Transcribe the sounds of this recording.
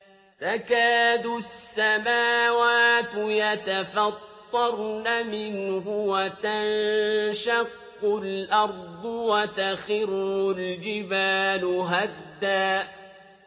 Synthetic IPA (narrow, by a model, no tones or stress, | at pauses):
t̪akaːd̪ʊsːamaːwaːt̪jat̪afɑtt̪ˤːɑɾˤnamɪnɦʊwat̪anʃɑqːʊlʔɑɾˤd̪ˤwat̪axɪɾhʊld͡ʒɪbaːlʊɦad̪ːaː